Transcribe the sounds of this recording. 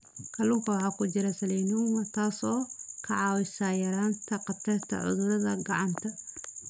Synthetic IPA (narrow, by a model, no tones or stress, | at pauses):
kʰɐluŋkʰɐwħaːkʰʊd͡ʒɪɾɐsɐlɛjnumɐt̪ʰaːsɔːkʰɐʕɑːwɪsaːjɐɾaːnt̪ʰɐqɑt̪ʰɛrt̪ʰɐ̰ʕʊ̰ðʊɾɐðɐɡɑʕɑnt̪ʰɐ